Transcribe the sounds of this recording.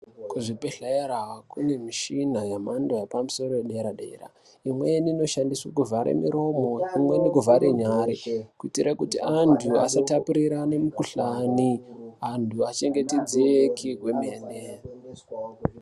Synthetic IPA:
kuʐipeɬaeɾakune̞miʃinajamandojepamuso̞ɾoeɗeɾaɗḛra̰ | imwe̞nino̞ʃandiswakuvʱaɾḛmiɾo̞moimwe̞nikuvʱaɾeɲaːɾikuitiɾakutiʔantʰua̰satapuɾiɾane̞mukuɬaniantʰuat͡ʃe̞ŋɡe̞ted͡ziekʰikwemene

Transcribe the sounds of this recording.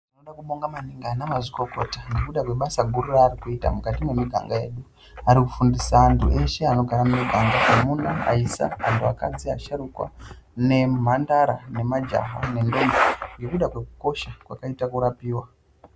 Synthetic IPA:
anoɗakuɓoŋɡamaniŋɡanamaziko̞ko̞taŋɡekuɗakwe̞ɓasaɡʱuɾuraːɾikuita̰mukatimwe̞miɡʱa̰ŋɡaje̞̰ɗu | aɾikufundisaːntʰṵʔe̞ʃe̞ano̞ɡʱaɾamumiɡʱaŋɡaʔamunaa̰isa̰antʰua̰ka̰d͡ziaʃaɾukwa̰ | ne̞m̤andaɾane̞mad͡ʒa̰ɦane̞ndo̞mboŋɡe̞kuɗakwe̞ku̥ko̞ʃakwakaitakuɾapiːwa

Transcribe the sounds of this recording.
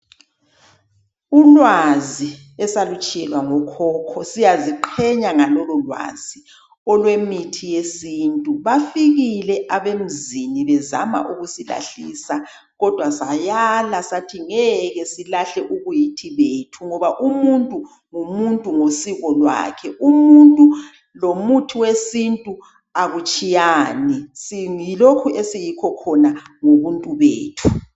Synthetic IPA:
ulwazi | ɛsalut͡ʃʼɛɣaŋɔkʰɔːkʰɔsijaziǃʰɛɲaŋalɔlɔlwa̰z̥i | ɔlwemitʰijesintʼuβafiɣilɛʔaβem̩ziniβɛza̰ma̰ʔuɣusila̰ɬiːsa | ɣɔd̥ʱwasajalasatʰiŋɛɣɛsilaɬɛʔuɣujitʰiβeːtʰuŋɔβaʔumuntʼu | ŋumuntʼuŋosiɣɔlwa̰ːkʰɛʔumuntʼu | lomutʰiwesintʼu | aɣut͡ʃʼijaːnisiŋilokʰuʔesijikʰɔkʰɔnaŋoβuntʼuβḛːtʰu

